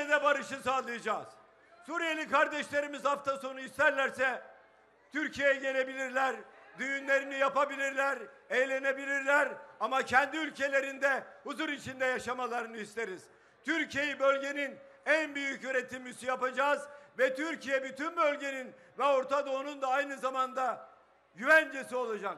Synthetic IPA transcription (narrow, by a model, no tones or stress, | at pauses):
ed̪ɛbaɾɯʃɯsaːlˠɯjad͡ʒaːz̥ | suɾijelʲikʰaɾd̪ɛʃlʲe̞ɾimizhaft̪ʰaso̞nuist̪ʰæɾlʲæɾsɛ | t̪ʰyɾcʰijejɛɟe̞lʲe̞bilʲiɾlʲæɾd̪yjynlʲe̞ɾinijapabilʲiɾlʲæɾ | ejlʲe̞ne̞bilʲiɾlʲæɾamacʰɛnd̪iylʲcʰe̞lʲe̞ɾind̪ɛhuzuɾit͡ʃʰind̪ɛjaʃamalˠaɾɯnɯist̪e̞ɾiz̥ | t̪ʰyɾcʰije̞jibølʲɟe̞nin | ænbyjycyɾet̪ʰimːysyjapad͡ʒaːzvɛt̪ʰyɾcijɛbyt̪ʰynbølʲɟe̞nin | vɛo̞ɾt̪ʰad̪oːnund̪aajnɯzamand̪a | ɟyvænd͡ʒesio̞lˠad͡ʒak